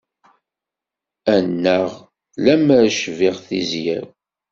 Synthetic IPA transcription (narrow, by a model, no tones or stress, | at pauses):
ænːəʁ | læmæɾʃviʁθizjæɾ